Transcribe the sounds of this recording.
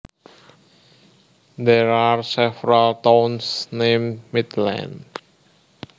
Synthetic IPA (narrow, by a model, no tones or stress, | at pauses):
d̪ɛɹaɹsɛvɹəltõnsnẽmmit̪lã̰n